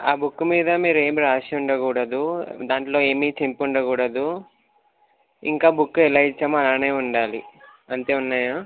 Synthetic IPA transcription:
aːbukːumiːd̪ɐmiːɾe̞ːmiɾaːʂiuɳɖɐkuːɽɐd̪ud̪aːɳʈlo̞ːeːmiːt͡ʃempuɳɖɐkuːɽɐd̪u | ḭŋkaːbukːuɛlaːit͡ʃːaːmɐaːne̞ːuɳɖaːlḭ | ɐnt̪e̞ːunːaːjaː

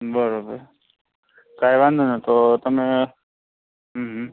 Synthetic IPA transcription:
bəɾobəɾ | kajʋãnd̪ʱunat̪ot̪əmẽ | ɦːɦ

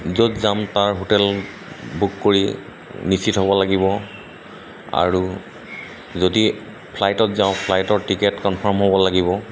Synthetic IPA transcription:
zotzamtaɹɦotɛl | bukːoɹi | nisitɦɔbɔlaɡibɔ | a̰ɹu | zodi | pʰlajtɔtzãʊ̃pʰlajtɔɹtikɛtkɔnpʰɔɹmɦobɔlaɡibɔ

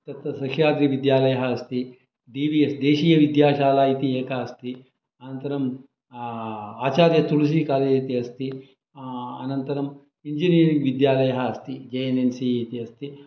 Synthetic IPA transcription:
t̪ɐt̪ʋɐsɐʃjaːd̪ɾiʋid̪jaːlɐjɐɦɐɐst̪i | ɖiːʋiesd̪eːʃiːjɐʋid̪jaːʃaːlaːit̪ieːkaːɐst̪i | ɐnɐnt̪ɐɾɐm | aːt͡ʃaːɾjɐt̪uɭus̬ikaːɾjɐit̪iɐst̪i | ɐ̰nɐnt̪ɐɾɐm | iɲd͡ʒiniːɾiŋɡʋid̪jaːlɐjɐɦɐːst̪id͡ʒeenensiːt̪iɐst̪i

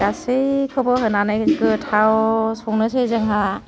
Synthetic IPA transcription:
ɡasɯjkʰɔbɔɦɯnanɯjkɯtʰawsɔŋnɯsɯjzɯŋɦa

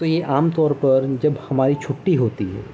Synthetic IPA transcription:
t̪ojeʔaːmt̪ɔːɾpɐɾd͡ʒɐbhɐmaːɾit͡ʃʰʊʈːiɦoːt̪iɦɛ̰ː

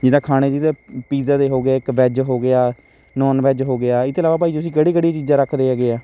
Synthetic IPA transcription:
d͡ʒɪd̪ãːkʰaːɽ̃eːd͡ʒiːd̪eːpiːzaːd̪eːɦoːɡaːɪkʋɛːd͡ʒɦoːɡɪaː | nɔːnʋɛːd͡ʒɦoːɡɪaːɪt̪eːlaːʋaːp̬aːiːd͡ʒ̪ʊsĩːkəɽiːkəɽijãːt͡ʃiːd͡ʒãːɾəkʰd̪eːaːɡeːaː

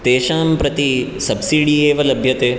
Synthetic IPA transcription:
t̪eːʃaːmpɾɐt̪isɐbsiːɽieːʋɐlɐbʱjɐt̪eː

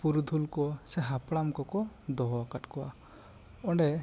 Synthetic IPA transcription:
puɾd̪ʱulkɔseɦapɽamkɔkɔ | d̪ɔɦakaʈkɔa̰ | ɔɳɖe

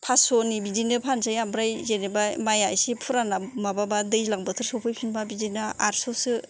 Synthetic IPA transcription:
pʰasonibizinɯpʰansajambɾajzenebamajajsipʰuɾanamababadɯjlaŋbɯtʰɯɾsɔwpʰɯjpʰinbabizinɯaɾsɔsɯ

